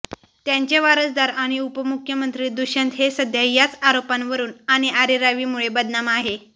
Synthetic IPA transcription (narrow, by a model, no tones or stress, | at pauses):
t̪jaɲt͡ɕeʋaɾəd͡zd̪aɾaɽ̃iupəmukʰjəmənt̪ɾiːd̪uɕənt̪ɦesəd̪ʱjajat͡saɾopanʋəɾuːnaɽ̃iaɾiɾaʋiːmuɭebəd̪namaɦe